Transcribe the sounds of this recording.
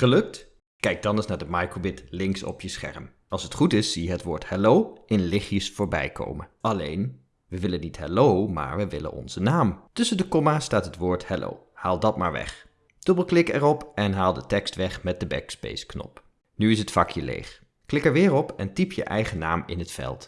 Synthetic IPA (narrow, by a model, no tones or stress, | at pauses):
χəlɵk̚t | kɛjk̚dɑnəsnaːɹdəmɑjkobɪtlɪŋksɔ̰pjəsχɛ̰ɹm | ɑlˠsɦətχutɪsːijəɦətʋʊːɹthɛlowɪnlɪχjəsfʊːɹbɛ̰jko̰wməɑlejn | ʋəʋɪlənitɦɛlowma̰ːɹʋəʋɪlə̰nɔ̰nzənaːmtɵsəndəkɔmaːstaːtɦətʋʊːɹthɛlo̰w | haːlˠdɑt̚maːɹʋɛ̰χ | d̥øbəl̩ˠklɪkɛɹɔpɛnɦaːlˠdətɛkstʋɛχmɛt̚dəbɛ̰kspḛjsknɔ̰p | nyɪs̬ɦətfɑkʰjəlḛjχ | klɪkɛɹʋɪːɹɔpɛntipjə̰ʔɛjχənaːmɪ̰nɦətfɛ̰lˠt